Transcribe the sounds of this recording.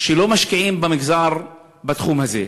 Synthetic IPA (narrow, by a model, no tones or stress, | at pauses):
ʃelomaʃkiʕimbamɪɡzaɾ | bat̪χumhazḛ